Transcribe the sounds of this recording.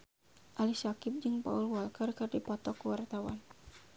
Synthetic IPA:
ʔalisakɪp̚d͡ʒɨŋpa̰ulwalkərkɨrdipɔt̪ɔkuwart̪awan

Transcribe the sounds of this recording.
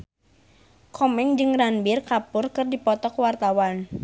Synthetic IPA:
kʰɔmɛŋd͡ʒɨŋranbirkapʊrkɨrdipɔt̪ɔkwart̪awan

